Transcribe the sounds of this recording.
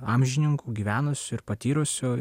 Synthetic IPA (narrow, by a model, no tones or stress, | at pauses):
ɑːmʲʒʲɪnʲɪŋkuːɡʲiːʋʲæːnʊsʲʊɪɾpɐt̪ʲiːɾʊsʲʊ